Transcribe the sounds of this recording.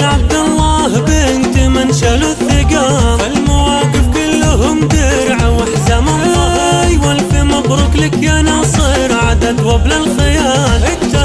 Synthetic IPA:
lʕab̚d̪ɑlːaːhbeːnt̪imɪnʃaluθːɪɡɑː | ɪlmawaːɡɪfkʊlːʊɦʊmd̪ɪɾʕawaħzama | jwalfimɑbɾˤʊklɪkjanasˤiɾʕad̪ad̪wablalxɪjaː

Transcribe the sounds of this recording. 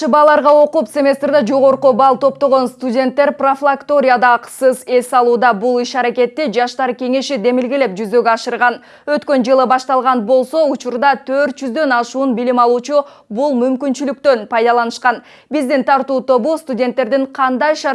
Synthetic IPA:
ʃɯbɑːlˠɑɾʁɑo̞qupsʲe̞mʲe̞st̪rd̪ɑd͡ʒo̞ʁo̞ɾqubɑlˠt̪ʰo̞p̚t̪o̞ʁo̞nst̪udʲe̞nt̪ːe̞ɾproflˠakt̪o̞ɾʲɪjad̪ɑːqsɯze̞sɑlˠuːd̪ɑbulˠiʃɑɾake̞t̪ːid͡ʒɑʃt̪ɑɾkʲe̞ŋe̞ʃid̪e̞milɡele̞p̚d͡ʒyzø̞ɡøɑʃɯɾʁɑn | ø̞t̪kø̞nd͡ʒɯlˠɯbɑʃt̪ɑlˠʁɑnbo̞lˠso̞ut͡ʃuɾd̪ɑt̪ʰøɾt̪̚d͡ʒyzd̪ø̞nɑʃuːnbilimɑlˠuːt͡ʃu | bulˠmymkynt͡ʃylyk̚t̪ø̞npɑjd̪ɑlˠɑnɯʃqɑn | bizd̪int̪ʰɑɾt̪uːt̪o̞bust̪udʲe̞nt̪ːe̞ɾd̪iɴqʰɑnd̪ɑjʃɑ

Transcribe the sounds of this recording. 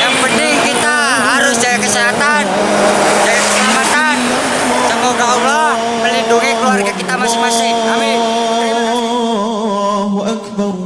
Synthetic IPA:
jaŋpənɪŋkit̪a | ɦaɾʊsd͡ʒajakəseɦat̪an | d͡ʒajaəamat̪an | t͡ʃɔmɔɡaulɔ | məlinduŋikəluarkakit̪amasɪmasɪa | ɦuʔakbar

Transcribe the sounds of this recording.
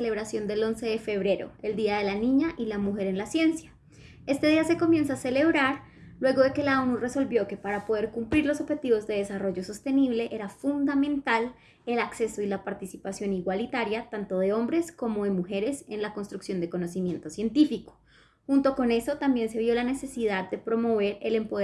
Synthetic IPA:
ele̞βɾasjo̞nd̪e̞lo̞nse̞ðe̞fe̞β̞ɾe̞ɾo̞̰e̞ld̪iaðe̞lanĩɲaʔilamuxe̞ɾe̞nlasje̞nsja | e̞st̪e̞ðiase̞ko̞mjẽ̞nsaːse̞le̞β̞ɾaɾ | lwe̞ɣo̞ðe̞ke̞laonure̞so̞lbjo̞ke̞paɾapo̞ðe̞ɾkumpliɾlo̞soβxe̞t̪iβo̞zd̪eð̞e̞saro̞ʝo̞so̞st̪e̞niβle̞ʔe̞ɾafund̪amẽ̞nt̪al | e̞lakse̞soilapaɾt̪isipasjo̞niɣwalit̪aɾjat̪ant̪o̞ðe̞o̞mbɾe̞sko̞mo̞ðe̞muxe̞ɾe̞se̞nlako̞nst̪ɾuksjo̞nd̪eko̞no̞simjẽ̞nt̪o̞sje̞nt̪ifiko̥ | xunt̪o̞ko̞ne̞so̞t̪ambje̞nse̞βjo̞lane̞se̞siðad̪d̪e̞pɾo̞mo̞β̞e̞ɾele̞mpo

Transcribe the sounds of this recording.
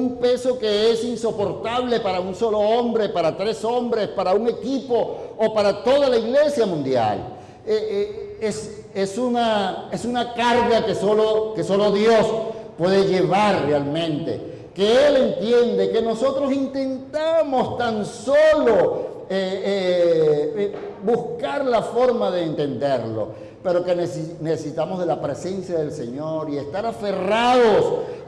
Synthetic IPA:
umpe̞so̞ke̞esinso̞po̞ɾt̪aβle̞paɾaunso̞loombɾe̞paɾat̪ɾe̞so̞mbɾe̞spaɾauŋe̞kipo̞ːpaɾat̪o̞ðalaiɣle̞sjamũnd̪ja̰l | ees | esunaesunakaɾɣakesoloke̞so̞lo̞ðjo̞spwe̞ðeʝe̞β̞aɾrealmẽ̞nt̪e̞̰ | ke̞ele̞nt̪je̞nd̪e̞ke̞no̞so̞t̪ɾo̞sint̪e̞nt̪amo̞st̪anso̞lo̞ | ee | buskaɾlafo̞ɾmaðe̞ːnt̪end̪e̞ɾlo̞̰ | pe̞ɾo̞ke̞nesnesesit̪amo̞zð̞e̞lapɾe̞se̞nsjaðe̞lse̞ɲo̞ɾie̞st̪aɾafe̞raðo̞s

